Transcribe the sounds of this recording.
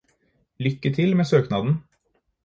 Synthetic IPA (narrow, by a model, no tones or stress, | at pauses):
lʏkːət̪ʰɪlmeːsøːknɑːd̪n̩